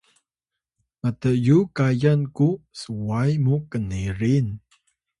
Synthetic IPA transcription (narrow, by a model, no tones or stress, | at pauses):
matəjukajankusəwajmukəneɾin